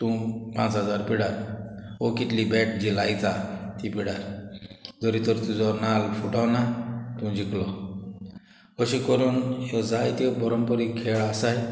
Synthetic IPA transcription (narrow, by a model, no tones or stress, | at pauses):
t̪ũpãt͡sɦəd͡zaɾpiɽaɾokit̪libeʈ̚d͡ʑilajd͡zat̪ipiɽaɾ | d͡zɔɾit̪əɾt̪ũd͡zɔnalfuʈʰawnat̪ũd͡ʑiklɔ | əɕikəɾuːnjɔd͡zajt̪ɔbɔɾɔmpəɾikʰeɭasaj